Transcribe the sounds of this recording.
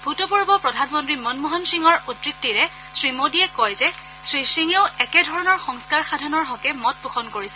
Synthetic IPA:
bʱutɔpuɹbɔpɹɔdʱanmɔntɹimɔnmɔɦɔnsiŋɔɹutɹitːiɹɛ | sɹimodiɛkɔjzɛ | sɹisiŋeʊɛkɛdʱɔɹɔnɔɹxɔŋskaɹxadʱɔnɔɹɦɔkɛmɔt̚puxʰɔnkoɹisɛ

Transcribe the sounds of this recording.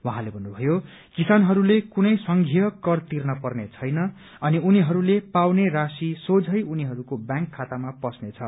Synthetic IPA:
wʌ̃ɦãlebʱʌnːubʱʌjo | kisanɦʌɾulekunʌjsʌŋɡʱijʌkʌrt̪irnʌpʌrnet͡sʰʌjnʌ | ʌniuniɦʌɾulepawnerasisod͡zʱʌjuniɦʌɾukobjãŋkʰːat̪amapʌsnet͡sʰʌ

